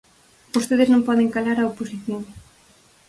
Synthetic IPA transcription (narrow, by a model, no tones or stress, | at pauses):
bost̪eðeznõmpɔðeŋkalaɾaoposiθjoŋ